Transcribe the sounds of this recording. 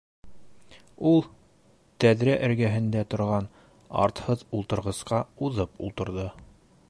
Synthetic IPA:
ulˠ | t̪æðɾæʔɘ̆ɾɡæɦɘ̆nd̪æt̪ŏɾʁɑn | ɑ̰ɾt̪hɤðulˠt̪ɤ̆ɾʁɤ̆sqɑuðɤpṵlˠt̪ɤ̆ɾðɤ

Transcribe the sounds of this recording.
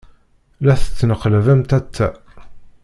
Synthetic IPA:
læθə̥t͡sːnəqlævæmt̪æt͡s̪ːæ

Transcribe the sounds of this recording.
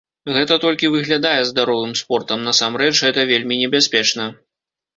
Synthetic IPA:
ɣɛt̪ɐt̪ɔlʲkʲivɨɣlʲad̪ajɛzd̪aɾɔvɨmspɔrt̪ɐmnasamɾɛt͡ʂɣɛt̪ɐvʲelʲmʲinʲɛbʲasʲpʲɛt͡ʂnɐ

